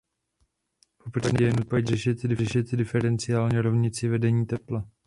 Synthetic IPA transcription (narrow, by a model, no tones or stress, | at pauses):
popraɲjɛnut̪̚pacrɛʃɪt̪dɪɛʃɪt̪dɪfɛɾɛnt͡sɪjaːlɲɛɾovɲɪt͡sɪvɛdɛɲiːt̪ɛpla